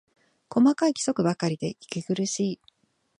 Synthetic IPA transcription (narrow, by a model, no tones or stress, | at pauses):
ko̞makaikʲi̥so̞kɯ̟bakaɾʲid̪e̞ikʲiɡɯ̟ɾɯ̟ɕiː